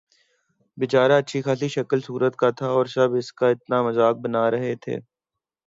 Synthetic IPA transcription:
bɪt͡ʃaːɾaɐtːʃʰixaːliʃɐkəlsuːɾət̪kat̪ʰaɔːɾʃɐbɪskaɪt̪namɐzaːk̚bɐnaːɾɐɦet̪ʰḛː

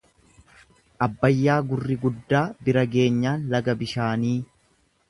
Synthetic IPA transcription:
ʔɐbːɐjːaːɡʊrːɪɡʊd̪ːaːbɪɾɐɡe̞ːɲːaːnlɐɡɐbɪʃaːniː

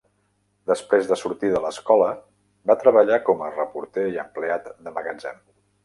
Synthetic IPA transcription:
d̪əspɾezðəsuɾt̪iðələskɔlə | bat̪ɾəβəʎakɔmərəpuɾt̪eiəmpleat̪d̪əməɣəd͡ʒɛm

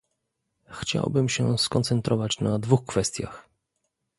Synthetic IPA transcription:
xt͡ɕa̰wbɘmɕɛskɔnt̪sɛnt̪ɾʔɔvat͡ɕnad̪vuxkfɛst̪ʲja̰x

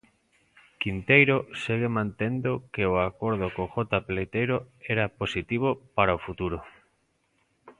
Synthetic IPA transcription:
kint̪ejɾoseɣ̞emãnt̪end̪okeoakoɾðokoxot̪aplejt̪ejɾoeɾaposit̪iβ̞opaɾaofut̪uɾo

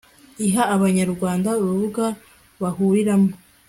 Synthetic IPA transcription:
iɦaːβaɲaɾɡwaːndauβuβuɡa | βahuɾiɾamo

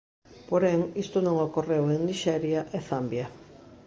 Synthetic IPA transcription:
poɾenist̪uneŋɡokorewend̪iʃaeɾiaʔeθambia

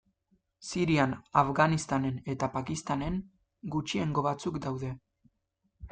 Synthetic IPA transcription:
siɾianafɣanist̪ane̞ne̞t̪apakist̪ane̞ŋ | ɡut͡ʃie̞ŋɡo̞βat͡sukd̪awðe̞

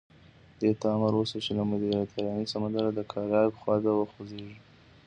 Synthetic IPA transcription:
d̪et̪ɑmaɾosot͡ʃelamʊd̪iɾat̪ʰaɾɑnisamand̪aɾad̪əkʰɑɾjɑpəxwɑd̪awəxozeʒi

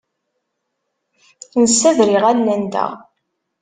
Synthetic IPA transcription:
θnsːæðɾiʁænːænd̪æ̰ʁ

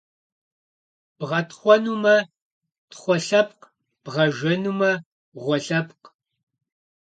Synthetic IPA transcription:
b̥ʁɐtχʷɔnuːmɐ | tχʷɔɬɐp̚q | b̥ʁɐʒɐnuːmɐ | ʁʷɔɬɐp̚q

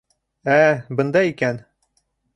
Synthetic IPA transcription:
æbɤ̆nd̪ɑikæn

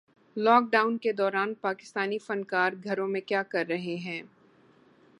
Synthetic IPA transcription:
lɔːk̚ɖaːʊnked̪ɔːɾaːnpaːkɪ̥st̪aːnifɐ̃nkaːɾɡʱɐɾõmẽkjaːkɐɾːɐɦeɦɛ̃ː

